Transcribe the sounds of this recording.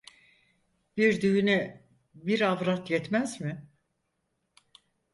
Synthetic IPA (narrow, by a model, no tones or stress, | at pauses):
b̥iɾd̪yyny | biɾavɾat̪jɛt̪mæzmɪ